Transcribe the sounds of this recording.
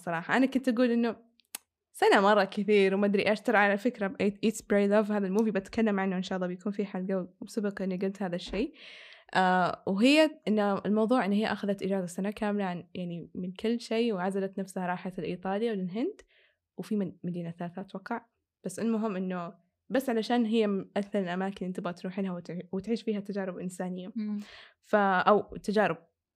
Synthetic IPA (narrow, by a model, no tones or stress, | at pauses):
sˤɑɾˤɑːħɑʔanakʊnt̪ʔaɡuːlʔɪnːu | sanamɑrˤːɑkɪθiːɾwmad̪ɾiʔaʃt̪aɾɪʕalafɪkɾabʔeːʔiːt̪sbɾejlavhaːðalmuːbibʔat̪kalːamʕanːuʔɪnʃɑːʔlˤːɑːbjakuːnfiħalɡawbsabɑqʔɪnːiɡʊlt̪haːðaʃːeːʔawɦɪjːaʔɪnːɪlmɑwðˤuːʕʔɪnːhɪjːaʔaxaðat̪ʔɪd͡ʒaːzasanakaːmlaʕanjaʕnimɪnkʰʊlːʃeːwʕazalat̪nafshaɾˤɑːħalʔḭːt̪ˤɑːliwlɪlɦɪnd̪ | wfiːmmad̪iːnaθalaːθaːt̪ːwɑqːɑʕ | b̥asːɪlmʊɦɪmːʔɪnːʊ | basːʕalaʃaːnɦɪjːaʔaθɑɾɪlʔamaːkɪnʔɪnt̪abt̪ɾuːħɪlhawt̪wt̪ʕiːʃbiːhat̪ːad͡ʒaːɾɪbʔɪnsaːnɪjːa | faʔawt̪ːad͡ʒaːɾɪb̚